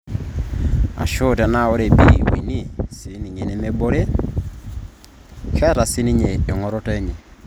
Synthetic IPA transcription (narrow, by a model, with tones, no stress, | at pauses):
a̰˨ʃo˦˨tɛ˨na˦˨o˦ɾe˨bi˦˨wḭ˨ni˦˨si˨˦ni˨ɲe˨ne˨me˦bo˦ɾe˦ | kɛ˦ɾa˨si˦ni˦ɲe˨e˨ŋɔ˨ɾɔ˦te˦ɲe˨